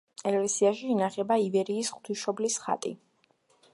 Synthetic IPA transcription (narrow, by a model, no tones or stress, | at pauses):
ɛkʼlɛsiaʃiːnaχɛbaivɛɾiːsχt̪ʰwiʃɔblisχa̰t̪ʼḭ